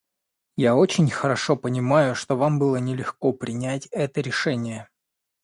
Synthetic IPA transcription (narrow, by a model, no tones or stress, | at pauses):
jao̞t͡ɕɪnʲxəɾɐʂo̞pənʲɪmajʊʂt̪o̞vambɨlˠənʲɪlʲɪxko̞pɾʲɪnʲætʲɛt̪əɾʲɪʂɛnʲɪjə